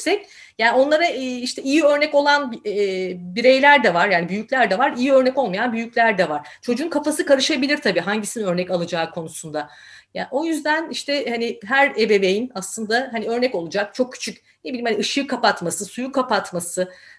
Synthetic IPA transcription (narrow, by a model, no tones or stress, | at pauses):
sɛc | jaːnio̞nlˠaɾaiʃt̪ʰɛijiø̞ɾnɛco̞lˠanb | biɾe̞jlʲæɾd̪ɛvaɾjaːnibyjycʲlʲæɾd̪ɛvaɾijiø̞ɾnɛco̞lˠmajanbyjyclʲæɾd̪ɛvaɾ̥t͡ʃʰo̞d͡ʒuːnkʰafasɯkʰaɾɯʃabilʲiɾt̪ʰabiːɦaɲɟisinø̞ɾnɛcalˠɯd͡ʒaːkʰo̞nusund̪a | jao̞jyzd̪æniʃt̪ʰɛhaniɦæɾebe̞be̞jinaslˠɯnd̪aɦaniø̞ɾnɛco̞lˠud͡ʒak̚t͡ʃʰo̞k̚cʰy̥t͡ʃʰycʲ | nebilʲiːmhaniɯʃɯːkʰapat̪masɯsujukʰapat̪masɯ